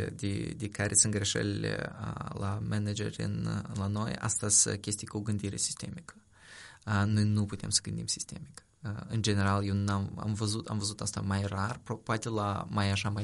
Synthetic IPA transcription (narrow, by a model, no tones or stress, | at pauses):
d̪ʲḛd̪ekaɾʔesɨn̚ɡɾe̞ʃə̰lilḛəlamened͡ʒḛrʲɨ̰nlano̞ja̰st̪azʲkʲe̞st̪ijkuɡɨnd̪iɾe̞̰si̥st̪e̞̰mikə̥ | nojnuput̪ʲemsə̥ɡɨnd̪imsi̥st̪e̞̰mik | ɨnd͡ʒe̞ne̞ɾalje̞wnama̰mvəzut̪a̰mvəzut̪ast̪amajrarpopoat̪elamajaʃamaj